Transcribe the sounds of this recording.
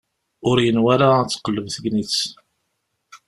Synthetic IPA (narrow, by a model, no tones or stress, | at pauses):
ʊɾjənwæɾat͡sːqəlːəvθəɡnit͡s